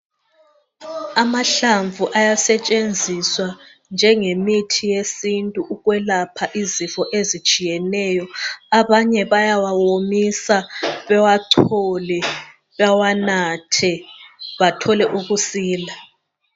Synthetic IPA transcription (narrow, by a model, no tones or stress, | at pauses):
amaɬaɱvʱuʔajasɛt͡ʃʼend͡zʱiswa | nd͡ʒʱɛŋemitʰijesintʼuʔuɣwɛlapʰaʔizifɔʔezit͡ʃʼijɛnɛjɔaβaɲɛβajawawomisaβɛwaǀʰɔlɛ | βawanatʰɛβatʰɔlɛʔuɣusiːla